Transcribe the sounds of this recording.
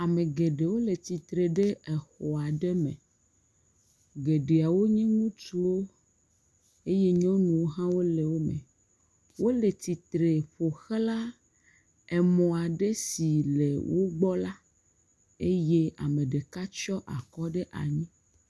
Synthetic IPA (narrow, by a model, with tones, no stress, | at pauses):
a˨me˨ɡe˨ɖe˨wo˦le˨t̪i˨t̪ɾe˨ɖe˦e˨xɔ˨a˨ɖe˦mḛ̃˨ | ɡe˨ɖe˨a˨wo˦ɲɛ̃˦ŋũ˦t͡ʃu˦wo˦ | e˦je˦ɲɔ̃˦nũ˨wo˦ɦã˦wo˦le˨wo˦mḛ̃˨ | wo˦le˨t̪i˨t̪ɾe˨ɸo˨xe˦la˦ | e˨mɔ̃˨a˨ɖe˦si˨le˨wʔo˦ɡ͡bɔ˦la˦ | e˦je˦a̰˨mẽ˨ɖe˨ka˦t͡ʃɔ˦ʔa̰˨kɔ˦ɖe˦ʔa̰˨ɲĩ˦